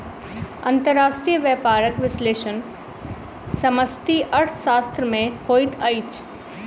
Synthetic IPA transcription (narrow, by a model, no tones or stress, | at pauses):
ɐ̰̃nt̪əɾːaːʃʈɾijəʋjəːpaːɾəkʋɪsleːʃən | sɐməsʈ̪iʔɐɾʈʰʃaːst̪ɾəmẽkʰoːɪt̪ʰɐjt͡ʃ